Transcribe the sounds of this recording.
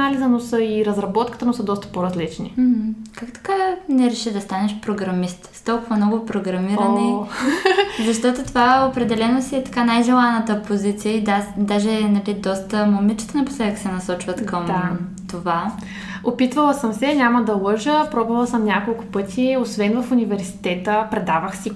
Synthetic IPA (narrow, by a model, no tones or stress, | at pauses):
alʲizənosəiɾɐzɾɐbɔt̪̚kə̥t̪ənosəd̪ɔst̪ə̥poɾɐzlit͡ʃnḭm̩kakt̪ɐ̥kanɛɾɛʃid̪ɐst̪anɛʃpɾoɡɾɐmist̪st̪ɔlˠkʊvɐmnɔɡʊpɾoɡɾɐmiɾni | zɐʃt̪ɔt̪ot̪ovaopɾɛd̪ɛlɛnosiɛt̪ɐ̥kanajʒɛlˠanət̪əpozit̪sijəid̪ad̪aʒɛnɐlid̪ɔst̪əmomit͡ʃi̥t̪ənɐpo̥slɛd̪əkə̥sɛnɐsɔt͡ʃvət̪kʰəmd̪a | t̪ova | opit̪vəlˠəsəmsɛnʲaməd̪ɐlˠɤʒəpɾɔbɐlˠsəmnʲakolˠkʊ̥pɤt̪ʲʰiosvɛnvɐfunʲivɛɾsi̥t̪ɛt̪əpɾɛd̪avəxsi